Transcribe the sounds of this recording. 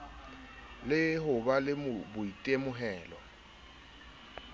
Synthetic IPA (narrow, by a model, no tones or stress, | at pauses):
lɪhʊbalɪmʊbʊitʼemʊɦɛːlɔ